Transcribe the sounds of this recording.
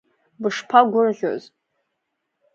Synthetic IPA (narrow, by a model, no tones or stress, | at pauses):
bɨʂpʰaɡʷʊrʒʲʷo̰z